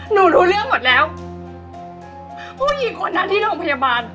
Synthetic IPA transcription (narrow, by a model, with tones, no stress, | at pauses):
nuː˧˩ɾuː˧˦lɯ˥˩əŋmo˨˩t̪̚lɛː˦˥w | pʰuː˥˩jiː˨˩kʰoː˧˦nːa˧˥nt̪ʰiː˥˩loː˧˩˨ŋpʰa˧jaː˧baː˧n